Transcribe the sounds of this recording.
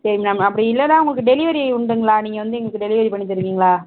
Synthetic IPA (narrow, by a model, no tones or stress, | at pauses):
sɐɾɪŋɐnaːmɐpːɐɽiɪlːɐnaːʊŋɡɐɭɯkːɯɖɛlɪʋɐɾiʊɳɖɯŋɡɐɭaːniːŋɡɐʋɐnd̪ɯɛŋɡɐɭɯkːɯɖɛlɪʋɐɾipɐɳːit̪ːɐɾɯʋiːŋɡɐɭaː